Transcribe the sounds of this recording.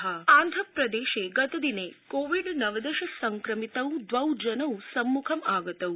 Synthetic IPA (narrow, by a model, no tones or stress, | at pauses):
ɦɐãːnd̪ʱɐpɾɐd̪eːʃeɡɐt̪ɐd̪inekoːʋiɖnɐʋɐd̪ɐʃɐsɐŋkɾɐmit̪ɐwd̪ʋɐwd͡ʒɐnɐwsɐmːukʰɐmaːɡɐt̪ɐu